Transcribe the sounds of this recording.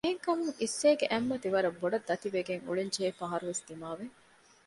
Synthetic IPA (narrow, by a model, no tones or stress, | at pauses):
eɦeŋkɐmuŋisːeːɡeʔɐmːɐt̪iʋɐɾɐbːoɖɐd̪ːɐt̪iʋeɡeŋṵɭeɲd͡ʒeːfɐɦɐɾuʋesd̪̥imaːʋe